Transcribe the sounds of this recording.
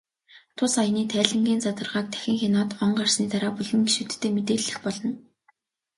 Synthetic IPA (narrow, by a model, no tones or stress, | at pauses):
t̪ʰʊsajniːt̪ʰæːɮɘ̆ŋɡʲiːnt͡sat̪ə̆rʁaːk̚t̪ʰæ̥xʲɪ̆ŋxenɔːt̪ɔɴɢarsniːt̪aɾaːpuɮɘ̆ŋɡeʃut̪ʰt̪ːeːmet̪eːɮːɘ̆xpɔɮɞ̆n